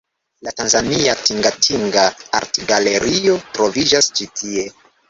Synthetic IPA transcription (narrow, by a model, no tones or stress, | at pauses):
latanzaniatiŋɡatʰiŋɡaa̰ɾtɡaleɾio̞tɾo̞vid͡ʒast͡ʃitʰie